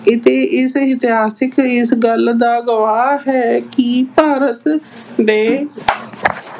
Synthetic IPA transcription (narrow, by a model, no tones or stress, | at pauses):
ɪt̪eːʔɪsɪt̪ɪɦaːsɪkɪsɡəld̪aːɡəʋaːɦɛːkipaːɾət̪d̪eː